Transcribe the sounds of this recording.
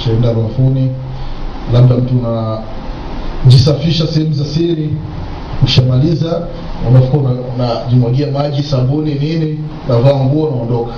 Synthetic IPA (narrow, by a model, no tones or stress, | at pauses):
ʃaɛndaɾuafuni | laɓ̚ɗam̩tuːna | ʄisafiʃasɛhɛmuzasiɾi | uʃamaliza | amafu̥kanaunaʄimwaɡiamaʄisambuninini | unavaːŋɡuanaɔndɔkḁ